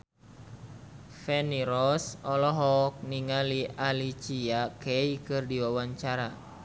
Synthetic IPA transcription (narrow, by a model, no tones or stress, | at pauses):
fɛniɾɔsɔlɔɦɔk̚niŋalialit͡ʃiakɛikɨrdiwawaɲt͡ʃaɾa